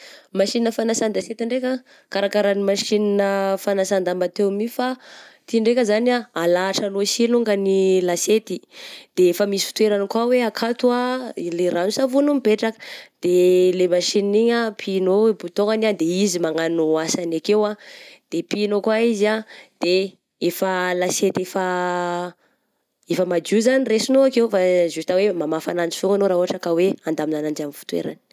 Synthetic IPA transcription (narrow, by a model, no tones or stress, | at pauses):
maʃininəfanasand̪aset̪iɳɖ͡ʐekʲa | kaɾakaɾanimaʃininəfanasand̪ambat̪ewmifat̪iɳɖ͡ʐekʲəzaniaalaːʈ͡ʂalosiluŋɡanilaset̪id̪̥efamisi̥fu̥t̪ueɾanikwaweakʰat̪uaileɾanusavunumipeʈ͡ʂakə̥d̪̥elemaʃiniɲapʰinobut̪oŋɡaniand̪eizimaŋanoasanakewad̪̥epinokwaizad̪̥e | efəlaset̪efa | efəmad͡ʒuzaniresinoakewfazui̥t̪awemamafanand͡ʒi̥fuŋɡanoɾauaʈ͡ʂakaweand̪aminanaɳd͡ʒamifu̥t̪wḛɾa̰ni̥